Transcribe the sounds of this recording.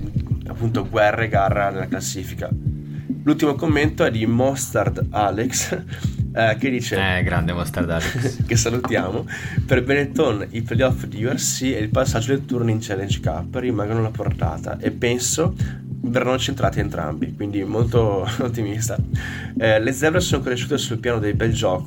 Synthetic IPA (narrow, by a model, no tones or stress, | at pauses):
a̰pːunt̪oɡwɛrːeɡarːanelːaklasːiːfika̰ | lult̪imokomːent̪oɛd̪imɔst̪ard̪aleks | k̟ed̪ːiːt͡ʃeɛɡɾand̪emɔst̪aɾd̪alekesalut̪jaːmo | perbenet̪oniplejɔfd̪iuɛrsieilpasːad͡ʒːod̪let̪ːurniint͡ʃɛlːend͡ʒka̰pːɾimaŋɡonolaport̪a̰ːt̪a̰ʔepːɛnso | verːanːot͡ʃent̪ɾaːt̪eent̪ɾa̰mbikwind̪imolt̪oot̪ːimist̪a | lezɛvɾesonokoɾeʃːuːt̪esulpjaːnod̪ejbɛld͡ʒɔːko